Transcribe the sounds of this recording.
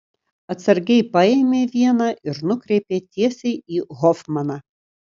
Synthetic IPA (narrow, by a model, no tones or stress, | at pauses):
ɐt̪sɐɾʲɡʲɛɪpɐeːmʲeːʋʲiɛnɑʔɪɾnʊkɾʲɛɪpʲeːt̪ʲiɛsʲɛɪiːɣɔfmɐnɑː